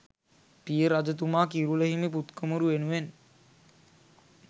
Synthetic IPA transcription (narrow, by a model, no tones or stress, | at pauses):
pijəɾad͡ʒət̪̬umaːkiɾuləɦimiput̪kəmuɾuʋenuʋen